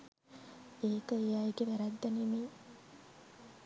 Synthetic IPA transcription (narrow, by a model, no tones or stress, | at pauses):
eːkəejaiɡeʋæɾæd̪ːænemeː